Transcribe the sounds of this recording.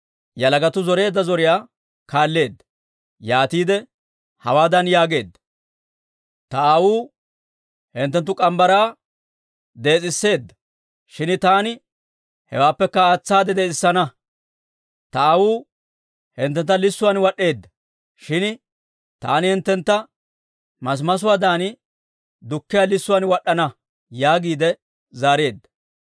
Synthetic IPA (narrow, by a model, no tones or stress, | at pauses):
jɐlɐɡɐt̪ʊzɔɾe̞ːd̪ːɐzɔɾɪjaː | kaːlːe̞ːd̪ːɐ̥ | jaːt̪iːd̪ɛ | hɐ̰waːd̪ɐnjaːɡe̞ːd̪ːɐ̥ | t̪ɐaːwuː | hɪnt̪ːɛnt̪ːʊkʼɐmbɐɾaː | d̪e̞ːt͡sʼɪsːe̞ːd̪ːɐ̥ | ʃɪnt̪aːnɪ | hɛ̰waːpːɛkːɐaːt͡sːaːd̪ɛd̪ɛːɪsːɐnɐ | t̪ɐawuː | hɪnt̪ːɛnt̪ːɐlɪsːʊwanwɐɗːe̞ːd̪ːɐ̥ | ʃɪn | t̪a̰ːnɪhɪnt̪ːɛnt̪ːɐ | mɐs̬mɐs̬ʊwaːd̪aːnɪ | d̪ʊkːɪjalɪsːʊwanwɐɗːɐnɐ | jaːɡiːd̪ɛ | zaːɾe̞ːd̪ːɐ̥